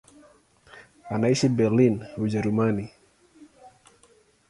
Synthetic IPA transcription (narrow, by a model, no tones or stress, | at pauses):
anaisibɛrlinud͡ʒaɾumani